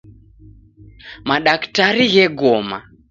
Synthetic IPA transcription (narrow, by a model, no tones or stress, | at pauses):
maɗaktaɾiɣɛɡɔma̰